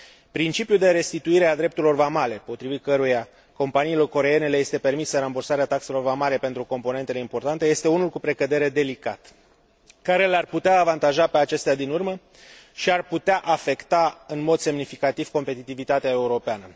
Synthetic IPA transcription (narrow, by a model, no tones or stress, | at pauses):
pɾint͡ʃipjuld̪e̞ɾe̞st̪it̪uiɾead̪ɾept̪uɾilo̞rvamale̞po̞t̪ɾivit̪̚kəɾuja | ko̞mpaniːlo̞rko̞ɾe̞je̞ne̞le̞je̞st̪e̞pe̞rmisəɾambursaɾeat̪akse̞lo̞rvamale̞pe̞nt̪ɾuko̞mpo̞ne̞nt̪e̞le̞impo̞rt̪ant̪e̞je̞st̪e̞unulkupɾe̞kəd̪e̞ɾe̞d̪e̞lika̰t̪ | kaɾe̞larput̪eaːvant̪aʒape̞at͡ʃe̞st̪ead̪inurmə | ʃiarput̪eaʔafe̞kt̪aɨnmo̞d̪se̞mnifikat̪iv̥ko̞mpe̞t̪it̪ivit̪at̪eae̞uɾo̞peanə